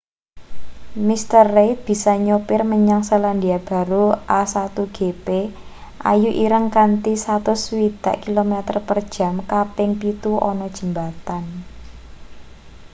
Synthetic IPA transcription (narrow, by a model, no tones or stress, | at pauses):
mist̪ərːet̪̚b̥i̤sɔɲopɪrməɲaŋsəland̪iab̥a̤ɾuʔasat̪uɡ̥epe | ʔa̰juʔiɾəŋkant̪isat̪ʊswid̪̥a̤̰ʔkilomɛt̪ərpərd̥ʒ̥a̤mkapɪŋpit̪uɔ̰nɔd̥ʒ̥ə̤mbat̪an